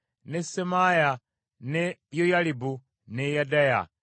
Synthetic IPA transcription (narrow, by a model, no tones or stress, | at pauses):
nesemaja | nejojalibu | nejadaja̰